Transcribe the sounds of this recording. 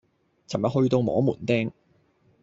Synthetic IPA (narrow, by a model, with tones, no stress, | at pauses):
t͡sʰɐ˨˩mjɐ˨hɵ˧ɥt̪o˧wmɔ̰ː˨˥muː˨˩nt̪ɛː˥ŋ